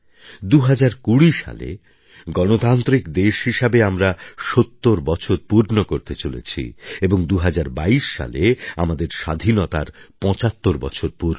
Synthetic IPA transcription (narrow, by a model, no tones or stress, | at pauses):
d̪uɦad͡ʑaɾkuɽiʃa̰lḛ | ɡɔnot̪ant̪ɾikd̪eʃɦiʃabeamɾaʃot̪ːoɾbɔt͡ɕʰoɾpuɾnokoɾt̪et͡ɕolḛt͡ɕʰḭeboŋd̪uɦad͡ʑaɾbaiʃːa̰lea̰mad̪eɾʃa̰d̪ʱinot̪a̰ɾpɔ̃t͡ɕat̪ːoɾbɔ̰t͡ɕʰoɾpuɾno